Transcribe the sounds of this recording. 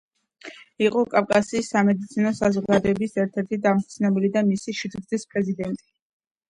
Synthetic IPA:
iqʼɔkʼafkʼasiːsːamɛd̪it̪sʰinɔsazɔʁɡad̪ɔɛbisɛɾt̪ʰɛɾt̪ʰid̪amt̪sʰnɛbilid̪amisiʃid͡ʒ̪ɾd̪zispʼɾɛzid̪ɛnt̪ʼi̥

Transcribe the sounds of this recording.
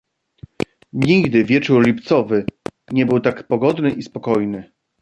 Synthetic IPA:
ɲiɡd̪ɘvʲjɛt͡ʂuɾlʲipt̪sɔvɘ | ɲɛbɘwt̪akpɔɡɔd̪nɘʔispɔkɔjnɘ

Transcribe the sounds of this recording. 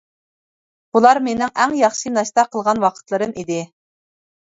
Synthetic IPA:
bulˠɑɾmenɪŋʔɛŋjɑχʃinɑʃt̪ɑqʰəlˠʁɑnwɑqʰə̥t̪lˠɨɾɨmʔid̪ɪ

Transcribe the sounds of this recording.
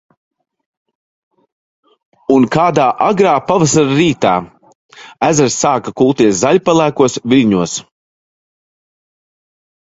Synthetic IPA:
unkaːd̪aːʔaɡɾaːpavasaɾaɾiːt̪aː | æzaɾsːaːkakulˠt̪iɛszaʎʲpalˠæːkuɔsvilʲɲuɔs

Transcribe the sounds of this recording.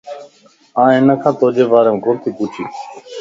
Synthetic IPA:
ãːɦɪnəkʰãːt̪oːd͡ʒeːʋaːɾeːmːɡʱʊɾt̪ʰiːpuːt͡ʃʰiː

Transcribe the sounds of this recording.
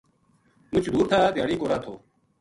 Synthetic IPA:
mʊt͡ʃʰd̪ʱuːɾt̪ʰaːt̪ɪjaːɽiːkoːɾaːt̪ʰoː

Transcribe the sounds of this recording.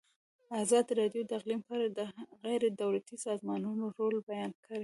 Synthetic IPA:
azɑd̪iɾɑdjod̪əɪɣlimpɑɾad̪əɣajɾed̪awlat̪isɑzmɑnunoɾolbajɑnkʰəɾe

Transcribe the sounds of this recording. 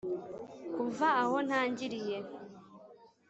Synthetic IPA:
kuvaːho̞n̥haːɲɟiɾije̞

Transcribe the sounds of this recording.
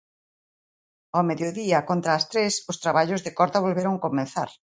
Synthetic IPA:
ameðjoðiɐkont̪ɾaːst̪ɾesʊst̪ɾaβaʎʊzðekɔɾt̪aβ̞olβeɾoŋkomẽn̟θa̰ɾ

